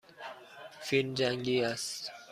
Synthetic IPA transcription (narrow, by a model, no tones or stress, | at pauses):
find͡ʒaŋɡias